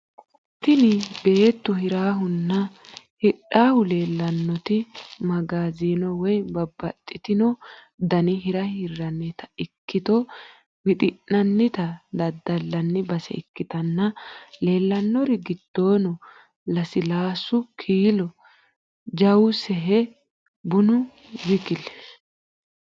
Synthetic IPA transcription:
t̪ɪnɪbe̞ːt̪ːʊhɪɾaːɦʊnːɐ | hɪɗaːhʊle̞ːlːɐnːɔt̪ɪmɐɡaːziːnɔwɔjbɐbːɐt̪ʼːɪt̪ɪnɔ | d̪ɐnɪɦɪɾɐhɪrːɐnːɛt̪ɐ̥ɪkːɪt̪ɔ | wɪt̪ʼɪnːɐnːɪt̪ɐd̪ɐd̪ɐlːɐnːɪbɐsɛ̰ɪkːɪt̪ɐnːɐle̞ːlːɐnːɔɾɪɡɪd̪̥ːoːnɔ | lɐsɪlaːsʊkʰiːlɔ | d͡ʒɐwʊsɛɦɛ | bʊnʊ | wɪkɪlɛ

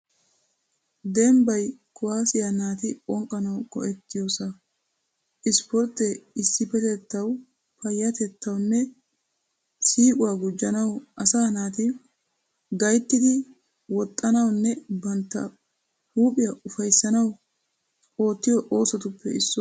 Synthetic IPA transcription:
d̪ɛmbɐjkʊwaːsɪjɐnaːt̪ɪʔɔŋkʼːɐnɐwkɔ̰ʔɛt̪ːɪjoːsɐ | ʔɪspɔɾt̪ːɛɪsːɪpɛt̪ɛt̪ːɐw | pɐjːɐt̪ɛt̪ːɐwnːɛ | siːkʼʊwaːɡʊd͡ʒːɐnɐwʔɐsaːnaːt̪ɪ | ɡɐjt̪ːɪd̪ɪ | wɔt̪ʼːɐnɐwnːɛbɐnt̪ːɐ̰ | huːpʼɪjɐʔʊfɐjsːɐnɐw | o̞ːt̪ːɪjɔʔo̞ːsɔt̪ʊpːɛ̰ɪsːɔ

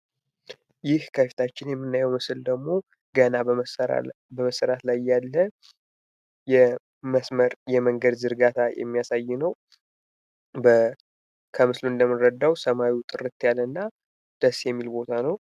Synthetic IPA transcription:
jɪhkʰəfi̥t̪ʰat͡ʃːɪnjɛmːɨnːajɛwmɨsɨld̪əɡmo̞ | ɡ̥əna̰ | bəməsəɾat̪lajːalːə | jɛ | əsməɾjɛməŋɡəd̪zɨɾɡat̪ʰajɛ̰mːijasajːɪnəw | bə | kʰəmɨsluɨnd̪əmːɨrːəd̪ːawsəmawiwt̪ʼɨrɨt̪ʰːjalːənːa | d̪̥əsːjɛmːilbo̞t̪ʰanəw

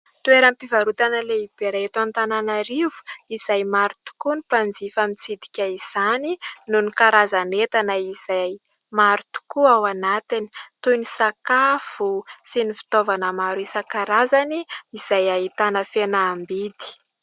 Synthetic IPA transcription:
t̪ueɾampivaɾut̪anəleib̥eɾaet̪uant̪ananaɾivu̥iz̥ajmaɾut̪u̥kunipand͡zifamit͡sid̪i̥kʲaiz̥aninunikaɾazanet̪anəiz̥aj | maɾut̪u̥kuawanat̪ini̥t̪unisakafusinifi̥t̪ovanəmaɾisakaɾazaniːz̥ajait̪anəfenaːmbid̪i̥

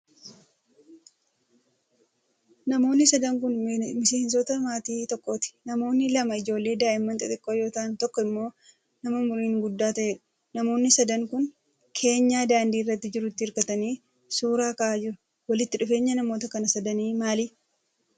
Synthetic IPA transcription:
nɐmo̞ːnːɪsɐd̪ɐŋkʊnmɪse̞ːns̬ɔt̪ɐmaːt̪iːt̪ɔkʼːo̞ːt̪ɪ̥nɐmo̞ːnːɪlɐmɐɪd͡ʒo̞ːlːe̞ːd̪aːʔɪmːɐnt̪ʼɪt̪ɪkʼːoːjo̞ːt̪aːnt̪ɔkːɔɪmːo̞ː | nɐmɐmʊɾiːŋɡʊd̪ːaːt̪ɐʔeːᶑʊ̥ | nɐmo̞ːnːɪsɐd̪ɐŋkʊn | kʰe̞ːɲːaːd̪aːnd̪iːɪrːɐt̪ːɪd͡ʒɪɾʊt̪ːɪhɪɾkɐt̪ɐniː | suːɾaːkɐʔaːd͡ʒɪɾʊ | wɐlɪt̪ːɪᶑʊfe̞ːɲːɐnɐmo̞ːt̪ɐkɐnɐsɐd̪ɐniːmaːli

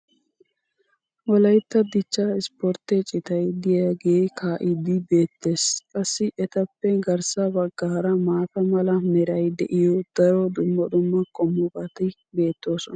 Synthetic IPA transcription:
wɔlɐjt̪ːɐd̪ɪt͡ʃːɐɪspɔɾt̪ɛt͡ʃʼɪt̪ɐjd̪ɪjɐɡeːkʰaːʔɪd̪ɪbe̞ːt̪ːe̞ːskʼɐsːɪʔɛt̪ɐpːɛɡɐɾsɐbɐɡːɐːɾɐmaːt̪ɐmɐlɐmɛɾɐjd̪ɛʔɪjɔd̪̥ɐɾod̪ʊmːɐd̪ʊmːɐkʼɔmːʊbɐt̪ɪ | be̞ːt̪ːo̞ːsɔnɐ

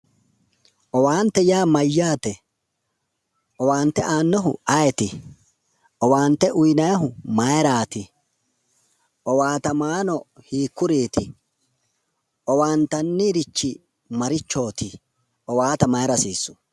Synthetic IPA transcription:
ʔɔwaːnt̪ːɛjaːmɐjːaːt̪ɛ | ʔɔwaːnt̪ːɛʔaːnːɔɦʊɐjɛt̪ɪ | ʔɔwaːnt̪ɛʔʊjnɐjɐɦʊmɐjɾaːt̪ɪ | ʔɔwaːt̪ɐmaːnɔhiːkːʊɾiːt̪ɪ | ʔɔwaːnt̪ɐnːɪɾɪt͡ʃːɪ | mɐɾɪt͡ʃːo̞ːt̪ɪ | ɔwaːt̪ɐmɐjɾɐsiːsːʊ̥

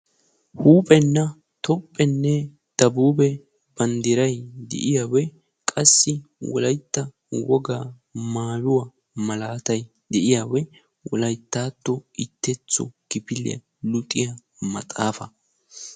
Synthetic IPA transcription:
huːpʼɛnːɐ | t̪ɔpʼːɛnːɛ | d̪̥ɐbuːbɛ | bɐnd̪ɪɾɐjd̪ɛ̰ʔɪjawɛ | kʼɐsːɪwɔ̰lɐjt̪ːɐ | wɔɡaː | maːjʊwa | mɐlaːt̪ɐj | d̪ɛʔɪjawɛ | wɔ̰lɐjt̪ːaːt̪ːɔʔɪt̪ːɛt͡sːɔ̰kɪpɪlɪ̰ɐ̰ | lʊt̪ʼɪjɐ | mɐt͡sʼaːfɐ

